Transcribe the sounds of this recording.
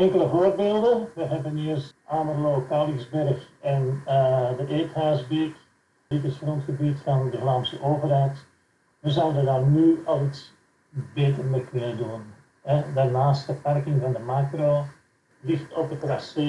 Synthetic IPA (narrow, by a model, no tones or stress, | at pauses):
ɛŋkələvoːrbeːlˠdəʋəɦɛbəniːərsaːmərloːkaːlɪzbɛrxɛn | dəʔeːthaːzbik | ditəsxrɔntxəbitfɑndəvlaːmsəʔoːvərɦɛjt | ʋəzawənʋədaːrnyɑlˠits | beːtərmekʏnədun | ɛdaːrnaːstəparkɪŋvɑndəmaːkro | lɪxtɔpətrase